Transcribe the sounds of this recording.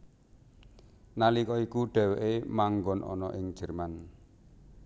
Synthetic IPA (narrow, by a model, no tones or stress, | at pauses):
nalikɔikuɖ̥ɛ̤weʔemaŋɡɔnʔɔ̰nɔʔɪŋ̥d͡ʒ̥ɛ̤rman